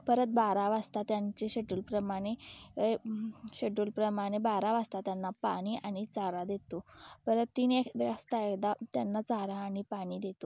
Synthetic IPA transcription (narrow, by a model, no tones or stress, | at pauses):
pəɾət̪̚baɾaʋast̪at̪jaɲt͡ɕeɕeɖulpɾəmaɽ̃e | ɕeɖuːlpɾəmaɽ̃ebaɾaʋast̪at̪janːapa̰ɽ̃iːʔaɽ̃it͡saɾad̪et̪opəɾət̪ːinekʋast̪aekd̪at̪janːat͡saɾãːɽ̃ipaɽ̃iːd̪et̪o